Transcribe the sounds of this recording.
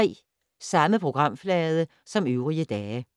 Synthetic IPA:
ɛ̰ː | sɑ̈məpʰʁo̝ɡ̥ʁɑ̈m̰flɛːð̞ˠə | sɒ̽møʊʁiəd̥ɛː

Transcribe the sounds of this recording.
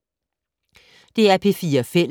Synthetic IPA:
d̥e̝æɐpʰe̝fiːɐfel

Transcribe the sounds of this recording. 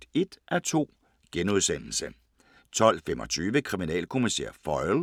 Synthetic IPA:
e̝d̥ʔæt͡sʰo̝̰ː | ɡ̥enuðˠsen̰l̩sə | t͡sʰɒ̽l̰fem̰ɒ̽t͡sʰyːʋəkʰʁiminɛ̰ːlkʰo̝misḛːɐfɒ̽ɪl

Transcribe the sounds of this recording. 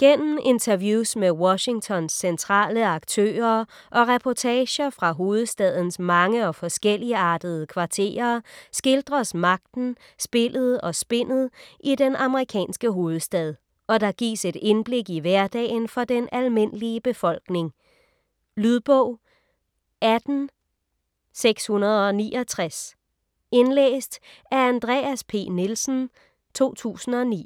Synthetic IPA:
ɡ̥en̰m̩ʔe̝nt͡sʰɐʋjuːsmewɒɕi̝ŋt͡sʰɒ̽nsːent͡sʰʁɑ̰̈ːləɑ̈ɡ̥̚t͡sʰø̰ːɐ | ʔɒ̽ʁɛpʰɒt͡sʰɛːɕɐfʁɑ̈ɦo̝ːð̞̩ˠsd̥ɛð̞ˠn̩smɑ̈ŋəɒ̽fɒ̽sɡ̥el̰iəɑ̈ːd̥əð̞ˠəkʰʋɑ̈t͡sʰe̝̰ːɐsɡ̥e̝ld̥ʁɐsmɑ̈ɡ̥̚d̥n̩ | sb̥e̝lð̞̩ˠɒ̽sb̥e̝n̰ð̞̩ˠʔidenɑ̈məʁikʰɛ̰ːnsɡ̥əɦo̝ːð̞̩ˠsd̥ɛð̞ˠ | ɒ̽d̥ɑ̈ɡ̥ḭːse̝d̥enb̥le̝ɡ̥iʋæɐd̥ɛ̰ːɪnfɒ̽d̥enælme̝n̰əliəb̥e̝fɒ̽l̰ɡ̥ne̝ŋ | lyðˠb̥ɔʊ̰ | æd̥n̩ | seɡ̥shunɐð̞ˠɒ̽nḭːʔɒ̽t͡sʰʁas | e̝nlḛːsd̥æɐænd̥ʁɛ̰ːæspʰe̝̰ːnelsn̩ | t͡sʰo̝̰ːt͡sʰṵːsn̩ɒ̽nḭː

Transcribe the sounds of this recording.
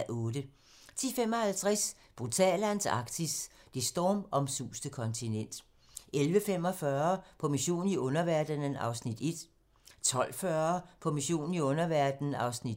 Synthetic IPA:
ɔ̽ːdə | t͡sʰḭfemɒ̽hælt͡sʰʁɛs | b̥ʁut͡sʰɛ̰ːlænsɑ̰̈ɡ̥d̥ʰisd̥e̝sd̥ɒːmɒ̽msṵːsd̥əkʰɒ̽nt͡sʰinen̰d̥ | elʋəfem̰ɒ̽fɶɐpʰɒ̽miɕo̝̰ːn̩iɔ̽nɐʋæɐd̥ənn̩ɑ̈ʊsnid̥e̝d̥ | t͡sʰɒ̽l̰fɶɐɐpʰɒ̽miɕo̝̰ːnn̩iɔ̽nɐʋæɐ̰d̥n̩n̩ɑ̈ʊsnid̥

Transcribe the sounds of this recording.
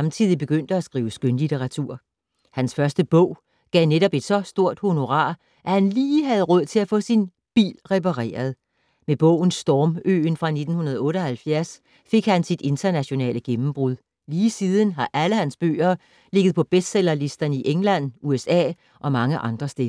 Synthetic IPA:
ɑ̈mt͡sʰið̞̰ˠib̥e̝ɡ̥øn̰d̥əæsɡ̥ʁiːʊəsɡ̥ønlit͡sʰeʁɑ̈t͡sʰṵɐ̰ | hænsfɶɐsd̥əb̥ɔ̽ʊ̰ | ɡ̥ɛʊneɾɒ̽b̥e̝d̥sɒ̽sd̥o̝ɐ̰d̥ho̝no̝ʁɑ̰̈ː | ʔæhænliːɦæð̞ˠʁɔð̞̰ˠt͡sʰe̝læfɔ̰̽ːsin | b̥ḭːlʁɛpɑʁḛːɐð̞̩ˠ | meb̥ɔ̰̽ʊ̰n̩sd̥ɒːmø̰ːnfʁɑ̈ne̝d̥n̩hunɐð̞ˠɔ̽ːɾ̥əɒ̽hælfjæɐs | fe̝ɡ̥hænsid̥e̝nt͡sʰɐnæɕo̝nɛ̰ːləɡ̥emm̩b̥ʁuðˠ | liːsiːð̞ˠən̩ɦɑ̈ʔæləhænsb̥ø̰ːɐː | le̝ɡ̥əð̩ˠpʰɒ̽b̥esd̥selɐlisd̥ɐnəiʔeŋlæn̰ʔuesɛ̰ː | ʔɒ̽mɑ̈ŋəʔɑ̈nd̥ʁɐsd̥e

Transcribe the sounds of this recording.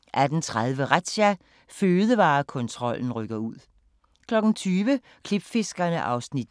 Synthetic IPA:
ʔæd̥n̩t͡sʰʁaðˠʋəʁad̥ɕæ | føːð̞ˠəʋɑ̈ːkʰɔ̽nt͡sʰʁɒ̽l̰n̩ʁœɡ̥ɐuð̰ˠ | kʰlɒ̽ɡ̥n̩t͡sʰyːʋə | kʰlib̥fe̝sɡ̥ɐnəʔɑ̈ʊsnid̥

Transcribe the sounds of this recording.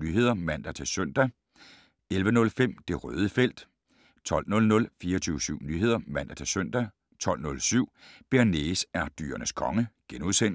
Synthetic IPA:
nyːɦe̝ðˠɐmæn̰d̥æt͡sʰe̝søn̰d̥æ | elʋənɔ̽lfem̰d̥e̝ʁœ̰ːð̞ˠəfel̰d̥ | t͡sʰɒ̽l̰dnɔ̽lnɔ̽lfiːɐɒt͡sʰyʊsyʊ̰nyːɦe̝ð̞̰ˠɐmæn̰d̥æt͡sʰe̝søn̰d̥æ | t͡sʰɒ̽l̰nɔ̽lsyʊ̰b̥eɐne̝sæɐd̥y̰ːɐnəskʰɒ̽ŋəɡ̥enuðˠsen

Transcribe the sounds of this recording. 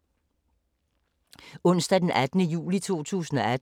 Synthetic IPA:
ɔ̽n̰sd̥æd̥enʔæd̥nəjṵːlit͡sʰo̝̰ːt͡sʰṵːsn̩ɒæd

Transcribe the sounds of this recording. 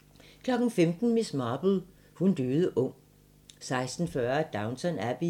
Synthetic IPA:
kʰlɒ̽ɡ̥n̩femd̥n̩mismɑːb̥l̩ˠ | hund̥øːð̞ˠəʔɔŋ̰ | sɑ̈ɪsd̥n̩fɶɐd̥ɑ̈ʊnsʰɒnæb̥i

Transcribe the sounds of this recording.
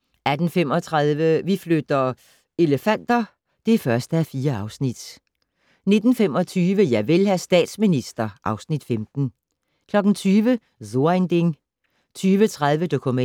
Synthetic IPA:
æd̥n̩fem̰ɒ̽t͡sʰʁaðˠʋəʋiflød̥ɐ | e̝ləfæn̰d̥ɐ | d̥e̝fɶɐsd̥əæfiːɐɑ̈ʊsnid̥ | ne̝d̥n̩fem̰ɒ̽t͡sʰyːʋəjɑ̈ɪʋe̝lhæsd̥ɛ̰ːd̥sminisd̥ɐʔɑ̈ʊsnid̥femd̥n̩ | kʰlɒ̽ɡ̥n̩t͡sʰyːʋə | zond̥eŋ | t͡sʰyːʋət͡sʰʁaðˠʋəd̥o̝kʰumæ

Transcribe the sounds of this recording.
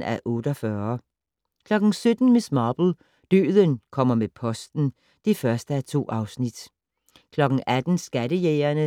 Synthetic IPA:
æʔɔ̽ːd̥ɒfɶːɐ | kʰlɒ̽ɡ̥n̩sød̥n̩mismɑːb̥l̩ˠ | d̥ø̰ːðˠənkʰɒ̽m̰ɐmepʰɒ̽sd̥n̩ | d̥ifɶɐsd̥əæt͡sʰo̝̰ːʔɑ̈ʊsnid̥ | kʰlɒ̽ɡ̥ŋ̩æd̥n̩sɡ̥æɾəjeːɐnə

